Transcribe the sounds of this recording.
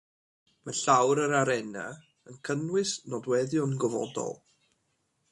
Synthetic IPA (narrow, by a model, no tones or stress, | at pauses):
məɬawɾəɾaɾɛna̰ | ənkʰənwɪsnɔdwɛðjɔnɡɔvɔ̰dɔ̰lˠ